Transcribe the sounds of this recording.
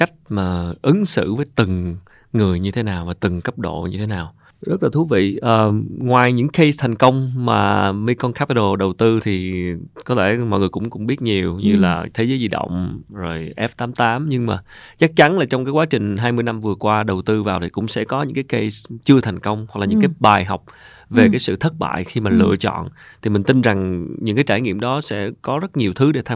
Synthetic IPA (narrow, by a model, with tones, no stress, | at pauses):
ka˦˥jk̟̚maː˨˩ʔɨ˨˦ŋsɨ̰˧˨vəː˨˦jt̪ɨ˨˩ŋ | ŋɨ˨˩əjɲɨ˧t̪ʰe˨˦naː˨˩wvaː˨˩t̪ɨ˨˩ŋkə˦˥p̚ɗo̰˧˨ɲɨ˧t̪ʰe˨˦naː˨˩w | zə˦˥t̚laː˨˩u˨˦vḭ˧˨ʔəː˨˩ŋwaː˨˩jɲɨ̰˧˥ŋke˧jst̪ʰɛ˨˩jŋ̟kə˧wŋ͡mmaː˨˩mi˧kɔ˧nkʰa˦˥pi˧ɗo˨˧˩ɗə˨˩wt̪ɨ˧t̪ʰi˨˩kɔ˨˦t̪ʰe˧˩mɔ̰˧˨jŋɨ˨˩əjkʊ̰˧˥ŋ͡mkʊ̰˧˥ŋ͡mɓi˦˥ət̚ɲi˨˩əwɲɨ˧laː˨˩t̪ʰe˨˦zəː˨˦zi˧ɗo̰˧˨wŋ͡mzo˨˩jʔɛ˦˥p̚t̪aː˨˦mt̪aː˨˦mɲɨ˧ŋma̰ː˨˩ | t͡ɕa˦˥k̚t͡ɕa˨˦nlaː˨˩t͡ɕɔ˧wŋ͡mkaː˨˦jkwaː˨˦t͡ɕï˨˩ŋ̟ɦaː˧jmɨ˧jna˧mvɨ˨˩əkwaː˧ɗə˨˩wt̪ɨ˧vaː˨˩wt̪ʰi˨˩kʊ̰˧˥ŋ͡msɛ̰˧˥kɔ˨˦ɲɨ̰˧˥ŋkaː˨˦jke˧st͡ɕɨ˧ət̪ʰa˨˩jŋ̟kə˧wŋ͡mɦwa˨˩k̚laː˨ɲɨ̰˧˥ŋkaː˨˦jɓaː˨˩jɦa˨˩wk͡p̚ | ve˨˩kaː˨˦jsɨ̰˧˨t̪ʰə˦˥t̚ɓa̰ː˧˨jxi˧maː˨˩lɨ̰˧ət͡ɕɔ̰˧˨nt̪ʰi˨˩mï˨˩ŋ̟t̪i˧nza˨˩ŋɲɨ̰˧˥ŋkaː˨˦jt͡ɕaː˧˩jŋḭ˧˨əmɗɔ˨˦sɛ̰˧˥kɔ˨˦zə˦˥t̚ɲi˨˩əwt̪ʰɨ˨˦ɗe˧˩t̪ʰa˧